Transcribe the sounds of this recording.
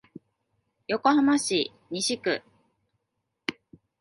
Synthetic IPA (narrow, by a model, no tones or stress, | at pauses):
jo̞ko̞hamaɕi | ɲ̟iɕikɯ̰